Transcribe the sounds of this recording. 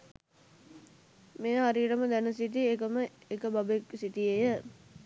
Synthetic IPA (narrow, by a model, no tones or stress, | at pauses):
mejəɦaɾiʈəməd̪ænəs̬iʈ̬iekəməekəbabeksiʈiejə